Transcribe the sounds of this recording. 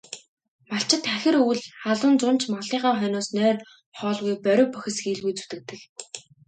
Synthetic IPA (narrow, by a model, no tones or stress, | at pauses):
maɬt͡ɕɪ̆t̪æxʲɪ̆ruwɮχaɮwʊ̆nt͡sʊn̥t͡ɕʰmaɮiːʁaːχœnʊːsnœːr | χɔːɮɣujpœɾʲʊːpœxʲɪ̆sɡiːɮɣujt͡su̥t̪ɘ̆k̚t̪ɘ̆k